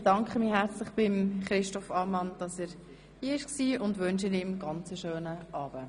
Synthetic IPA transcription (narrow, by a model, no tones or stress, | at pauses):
d̥ɑŋkχəmiːɦɛɾt͡slɪχb̥ɪmχɾɪʃtɔfɑːmɑnd̥ɑsɛːɾ | hiːɪʃksiːʊndʋʉnʃənɪmɡ̥ɑnt͡səʃøːnəʔɑːb̥ə